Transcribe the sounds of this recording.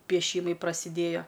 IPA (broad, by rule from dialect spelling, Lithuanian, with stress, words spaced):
pʲiɛˈʃʲiːmɐɪ prɐsʲɪˈdʲeːjoː